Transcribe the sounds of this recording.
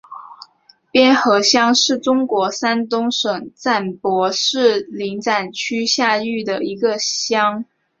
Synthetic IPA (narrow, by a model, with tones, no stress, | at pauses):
pjɛ˥nxɤ˧˥ɕjɑ˥ŋʂɻ̩˥˩ʈ͡ʂʊ˥ŋkwɔ˧˥sa˥nt̪ʊ˥ŋʂɤ˨˩ŋt͡sa˥˩npwɔ˧˥ʂɻ̩˥˩li˧˥ŋt͡sa˨˩nt͡ɕʰy˥ɕja˥˧y˥˩d̪ə˩i˧˥ɡə˧ɕjɑ˥ŋ